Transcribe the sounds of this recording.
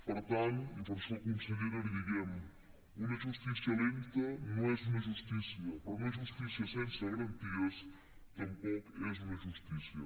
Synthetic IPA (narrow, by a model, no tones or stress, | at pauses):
pɐɾt̪ãnt̪ũvoɾsokõnseɣiɾɐliðiɣemʊ | umɐʒuʃt̪isjɐlimt̪ɐnɐ̃w̃ɛzumɐʒuʃt̪isjɐpɾɔumɐʒuʃt̪isjɐsẽnsɐɣɐɾɐ̃nt̪iɐs | t̪ɐ̃mpɔkɛzumɐʒuʃt̪isjɐ